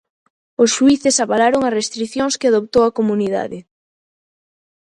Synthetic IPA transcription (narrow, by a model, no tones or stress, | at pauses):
ʊsʃuiθɪsaβalaɾoŋɐsrest̪ɾiθjoŋskɪaðopt̪owɐkomuniða̰ðɪ